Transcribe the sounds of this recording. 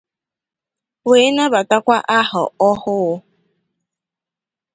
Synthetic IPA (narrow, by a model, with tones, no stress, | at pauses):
weː˨˦na˦ba˨ta˦kʷa˦ʔa˦ɦɔ̰˨ɔ˦hʊ˦ʊ˦